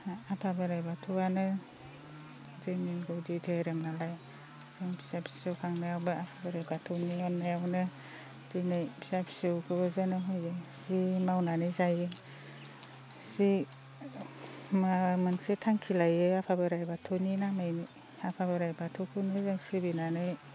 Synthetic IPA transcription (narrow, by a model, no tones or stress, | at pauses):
apʰabɯɾajbatʰuwanɯ | dɯjniɡowdidʰeɾɯmnalaj | z̥ɯŋbʰi̥sapʰi̥sɯwkʰaŋnajawbɯapʰabɯɾajbatʰowniɔnːajawnɯ | dɯnajbʰisabʰi̥sɯwkʰɯbɯzɯnɯɦɔjɯsimawnanɯjzajɯ | si | mamɯnsetʰaŋkʰilajɯapʰabɯɾajbatʰoninamajni | apʰabɯɾajbatʰokʰɯnɯzɯŋsɯbinanɯj